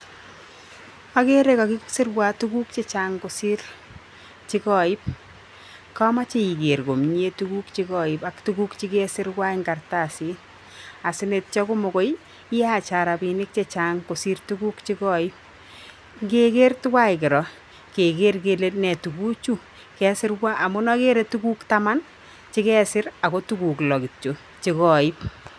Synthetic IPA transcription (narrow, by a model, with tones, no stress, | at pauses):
a˦ke˦ɾe˦kɔ˨kɪ˦ksɪ˦rwa˦tu˦ku˦k̚t͡ʃe˦t͡ʃa˨ŋko˨si˦r | t͡ʃi˦kɔ˨i˦p̚ | ka˦ma˦t͡ʃe˦i˨ke˨ɾko˨mɲ˦e˦tuku˦kt͡ʃi˦kɔ˨ipa˦ktu˦ku˦kt͡ʃi˦ke˦sɪ˦ɾwa˦iŋɡa˨rta˨si˦ | a˨sɪ˦ne˨t̚t͡ʃɔ˦ko˦mo˨ko˦j | i˦a˨t͡ʃa˨ɾa˨bi˨nɪ˦k̚t͡ʃe˦t͡ʃa˦ŋko˨si˦rtu˦ku˦kt͡ʃi˦kɔ˦i˦p̚ | ŋɡe˦ke˦rtu˦kwa˦jkɪ˨ɾɔ˨ | ke˨ke˦rke˨le˦nɛ˨tu˨ku˦t͡ʃu˦ | kɛ˨sɪ˦rwa˦a˨mʊ˦nɔ˦ke˦ɾe˦tu˦ku˦kta˦ma˦n | t͡ʃɪ˦kɛː˦sɪ˦ɾa˨ko˦tu˦ku˨klɔ˨kɪ˨t͡ʃo˨ | t͡ʃi˦kɔ˨i˦p̚